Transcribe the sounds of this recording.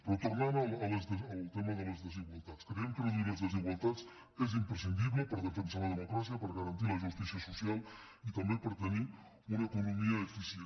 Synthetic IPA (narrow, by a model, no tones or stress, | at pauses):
pɾot̪uɾnanalələzðəəlˠt̪eməðələzðəziɣwalˠt̪at͡skəɾɛmkəɾəðuiɾləzðəziɣwalˠt̪at͡s | ezimpɾəsind̪iβləpəɾðəfəns̬aləð̞əmukɾas̬iəpəɾɣəɾɐnt̪iləʒust̪isiəsusialˠ | it̪əmbepəɾt̪əni | unəkunumiəːfise